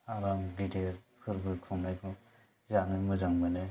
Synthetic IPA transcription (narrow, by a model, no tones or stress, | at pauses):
aɾamɡiteɾkʰɯɾbɯkʰɔŋnajkʰɯ | zanɯmɯzaŋbana